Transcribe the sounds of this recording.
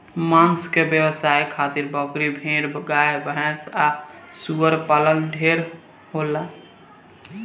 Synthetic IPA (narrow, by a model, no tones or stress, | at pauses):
manskebjəbəsaikʰat̪iɾbəkɾibʱeɾbɡajbəɦɛ̃sasuəɾpaləlɖʱeɾ | ɦola